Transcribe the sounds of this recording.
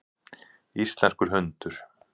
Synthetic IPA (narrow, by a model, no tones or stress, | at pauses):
ist̪lɛrkʏɾ̥ɦʏnt̪ʏɾ̥